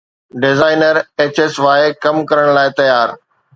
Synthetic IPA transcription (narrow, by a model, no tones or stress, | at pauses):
ɖɪzaːɪnəɾeːt͡ɕeːsʋaːekɐmkɐɾəɽ̃laːɪt̪ɐjaːɾ